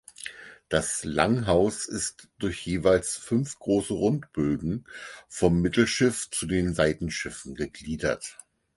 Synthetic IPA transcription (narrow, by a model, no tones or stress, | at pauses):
d̥asla̰ŋɦaʊsɪstd̥ʊɐçjeːvaɪlsfʏnfɡ̥ʁoːsəʁʊntb̥øːɡŋ̩fɔmːɪtl̩ʃɪft͡sudeːnzaɪtn̩ʃɪfn̩ɡəɡliːdɐ̰t